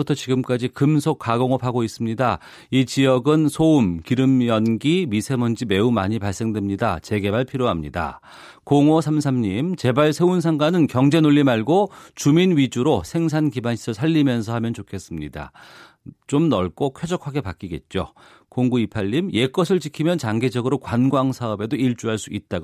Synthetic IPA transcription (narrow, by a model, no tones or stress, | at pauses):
utʰʌt͡ɕiɡɯmk͈ad͡ʑikɯmsʰok͈ʰːaɡoŋʌpʰaɡois͈ɯmɲida | it͡ɕijʌɡɯnsʰoumkiɾɯmjʌnɡimisʰe̞mʌnd͡ʑime̞uma̰ɲipaɭs͈e̞ŋdwemɲidat͡ɕe̞ɡe̞baɭpʰiɾjoɦamɲḭda̰ | koŋosʰamsʰamɲimt͡ɕe̞baɭsʰe̞unsʰaŋɡanɯnkjʌŋd͡ʑe̞noʎːimaɭɡot͡ɕuminɥid͡ʑuɾosʰe̞ŋsʰankibanɕʰi̥sʰʌɭsʰaʎːimjʌnsʰʌhamjʌnt͡ɕokʰe̞s͈ɯmɲida̰ | t͡ɕ͈omnʌɭk͈okʰed͡ʑʌkʰaɡe̞pak͈iɡe̞t̚t͡ɕ͈o | koŋɡuipʰaʎːimje̞k͈ʌsʰɯɭt͡ɕikʰimjʌnt͡ɕaŋɡe̞d͡ʑʌɡɯɾokwanɡwaŋsʰaʌbe̞doiɭt͡ɕ͈uɦaɭs͈uit̚t͈aɡ